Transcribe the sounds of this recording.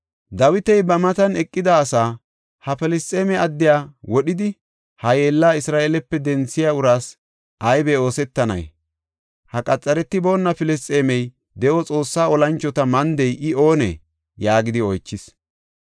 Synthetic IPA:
d̪ɐwɪt̪ɛjbɐmɐt̪ɐnɛkʼːɪd̪ɐːsaː | hɐfɪlɪstʼːeːmɛɐd̪ːɪjaːwɔɗɪd̪ɪ | hɐjeːlːaːɪsɾaːʔeːlɛpːɛd̪ɛnt͡sːɪjaːʊɾaːs | ʔɐjbɛo̞ːsɛt̪ːɐnɐ̰j | hɐkʼɐt͡sʼːɐɾɛt̪ːɪbo̞ːnːɐfɪlɪstʼe̞ːmɛj | d̪ɛʔɔt͡sʼo̞ːsːaːɔlɐnt͡ʃːɔt̪ɐmɐnd̪ɛjʔɪo̞ːnɛ̰ | jaːɡɪd̪ɪɔjt͡ʃːɪs

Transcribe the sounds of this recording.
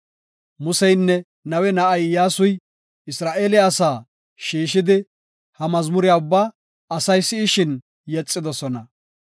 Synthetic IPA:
mʊsɛjnːɛ | nɐwɛnɐʔɐjjaːsʊj | ɪsɾaːʔeːlɪaːsaː | ʃiːʃɪd̪ɪ | hɐmɐzmʊɾɪjaːʊbːaː | ɐsɐjsɪːʃɪn | jɛt͡sʼːɪd̪ɔsɔnɐ

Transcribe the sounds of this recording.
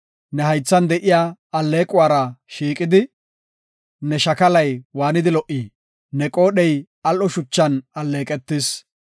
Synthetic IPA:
nɛhɐjt͡sːɐnd̪ɛʔɪjaːɐlːe̞ːkʼʊwaːɾɐʃiːkʼɪd̪ɪ | nɛʃɐkɐlɐjwaːnɪd̪ɪlɔʔi | nɛkʼo̞ːɗɛj | ɐlʔɔʃʊt͡ʃːɐnɐlːe̞ːkʼɛt̪ːɪs

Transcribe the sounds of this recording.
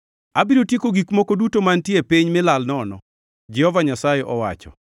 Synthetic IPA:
abiɾotjekoɡikmɔkodutomantjepiɲmɪlalnɔnɔ̰ | d͡ʒɛhɔvaɲasajeʔɔwa̰t͡ʃɔ̰

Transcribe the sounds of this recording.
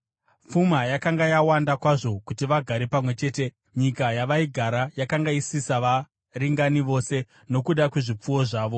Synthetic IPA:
fumajakaŋɡajawandakwaʐo̞kutiʋaɡʱaɾepamwe̞t͡ʃe̞ːte̞ | ɲikajaʋaiɡʱaɾajakaŋɡaisisaʋa | riŋɡaniʋo̞se̞ | no̞kuɗakwe̞ʐip͡fuwo̞ʐaːʋo̞

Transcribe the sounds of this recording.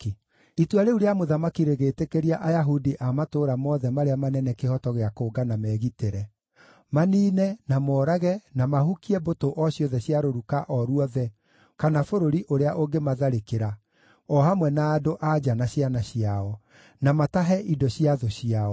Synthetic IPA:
itwaɾeuɾeamoðamakiɾeɣeːtekeɾiaʔajaɦudiʔamatoɾamɔðɛmaɾeamanɛnɛkehɔtɔɣeakoːɡanamɛːɣiteɾɛ | maniːnɛnamɔːɾaɣɛnamahukiɛbotoʔɔɕjɔðɛɕiaɾoɾukaʔɔɾuɔðɛ | kanafoɾoɾiʔoɾeaʔoɡemaðaɾekeɾa | ɔhamwɛnaːdoʔad͡ʒanaɕianaɕiaɔ | namataɦɛʔidɔɕiaðɔɕiaɔ

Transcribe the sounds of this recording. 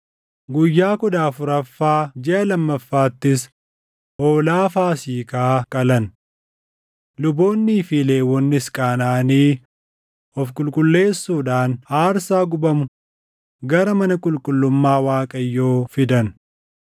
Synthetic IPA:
ɡʊjːaːkɔᶑaːfʊɾɐfːaːd͡ʒɛʔɐlɐmːɐfːaːt̪ːɪs | oːlaːfaːsiːkaːkʼɐlɐn | lʊbo̞ːnːiːfileːwɔnːɪskʼaːnaːniː | ɔfkʼʊlkʼʊlːe̞ːsːuːᶑaːnhaːɾsaːɡʊbɐmʊ | ɡɐɾɐmɐnɐkʼʊlkʼʊlːʊmːaːwaːkʼɐjːoːfɪd̪ɐn

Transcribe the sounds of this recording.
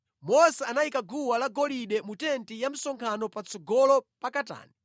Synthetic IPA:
mɔsɛanaikaɡuwalaɡɔliɗɛmutɛntijam̩sɔŋkʰanɔpat͡sʰɔɡɔlɔpakata̰ːni

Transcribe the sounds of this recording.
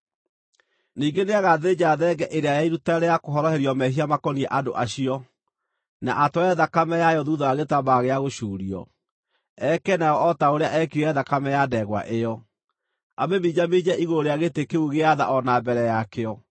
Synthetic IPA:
niːɡeneaɣaðed͡ʑaðɛɡɛʔeɾeajaiɾutaɾɛakoɦɔɾɔheɾiɔmɛɦiamakɔniɛʔado̰ʔaɕiɔ | na̰ʔatɔɛðakamɛjajɔðuðɔaɣetabaɣeaɣoʃuːɾiɔ̰ | ɛkɛnaɔɔtaoɾeaʔɛkiɾɛðakamɛjadɛɣwa̰ʔejɔ | abemid͡ʑamed͡ʑɛʔiɣoɾeaɣetekeuɣeaða̰ʔɔnabɛɾɛjakeɔ

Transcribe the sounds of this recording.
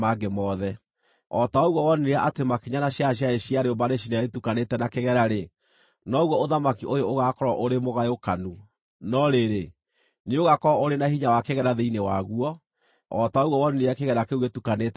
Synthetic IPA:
maɡemɔðɛ | ɔtaoɣwɔwɔnineɾaʔatemakiɲanaɕjaɕjaeɕiaɾeombaɾeʃ̬inaɾetukanetɛnakeɣɛɾaɾe | nɔoɣwɔoðamakiʔojooɣakɔɾɔʔoɾemoɣajokanu | nɔɾeɾe | neoɣakɔɾɔoɾenaɦiɲawakeɣɛɾaðeinewaɣuɔ | ɔtaoɣɔwɔnineɾeakeɣɛɾakeuɣetukanet

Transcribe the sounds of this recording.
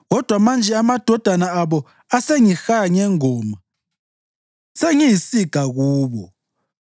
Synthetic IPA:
ɣɔd̥ʱwamand͡ʒʱɛamad̥ʱɔd̥ʱanaaβɔ | aseŋixaɲɛŋɔːma | seŋijisiɡ̥ʱaɣuːβɔ̰

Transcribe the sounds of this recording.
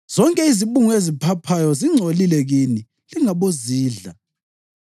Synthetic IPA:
z̥ɔŋkʼɛiziβuŋɔezipʰapʰajɔziŋ͡ǀʱolilɛɣini | liŋaβoziːɮa̰

